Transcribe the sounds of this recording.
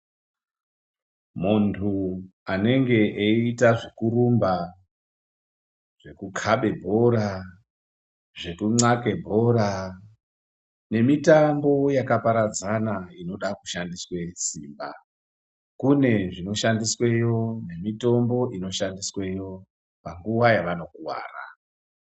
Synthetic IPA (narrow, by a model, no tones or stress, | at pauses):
muntʰuane̞ŋɡe̞ʔeitaʐikuɾumba | ʐ̥e̞kukʰaɓe̞bʱo̞ɾa | ʐe̞kuŋ͡ǀake̞bʱo̞ɾa | ne̞mitambo̞jakapaɾad͡zanaino̞ɗakuʃandiswe̞siːmba̰ | kune̞ʐino̞ʃandiswe̞jo̞ne̞mito̞mbo̞ʔino̞ʃandiswe̞jo̞ | paŋɡuwajaʋano̞kuwa̰ːra̰